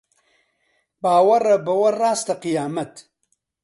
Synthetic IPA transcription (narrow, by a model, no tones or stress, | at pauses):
baːwɐrɐbɐwɐraːst̪ɐqijaːmɐt̪